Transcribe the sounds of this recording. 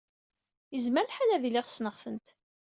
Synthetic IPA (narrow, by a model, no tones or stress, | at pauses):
jəzməɾħalæðilɪʁsnəʁfənt̪